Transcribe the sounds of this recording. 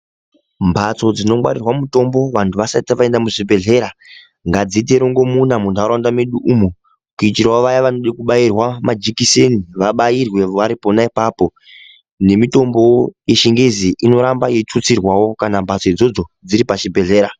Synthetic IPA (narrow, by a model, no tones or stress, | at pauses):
mbʱat͡so̞d͡zino̞mwa̰ɾirwamuto̞mbo̞ʋantʰuʋasaitaʋae̞ndamuʐibʱe̞ɮe̞ɾa | ŋɡad͡zit̬e̞ɾo̞ŋɡo̞munamundaɾandameɗuʔumu | kuitiɾawoʋajaʋanoɗikuɓairwamad͡ʒikiseniʋaɓajirwe̞ʋaɾipo̞naipaːpo̞ | ne̞mito̞mbo̞jeʃiŋɡeziʔino̞ɾambajet͡sut͡sirwawo̞kanambʱat͡so̞id͡zo̞d͡zo̞d͡ziɾipaʃibʱe̞ɮe̞ːɾa